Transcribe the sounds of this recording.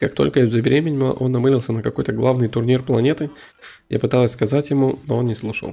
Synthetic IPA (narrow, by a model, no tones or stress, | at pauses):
kak̚t̪o̞lʲkəvʲzəbʲɪɾʲemʲɪnʲməʔo̞nːɐmɨlʲɪlˠsʲənəkɐko̞jt̪əɡlˠavnɨjt̪ʊrnʲirplˠɐnʲe̞t̪ɨ | ja̰pɨt̪alˠəsʲskɐzatʲjɪmunoo̞nnʲɪslˠuʂə̰lˠ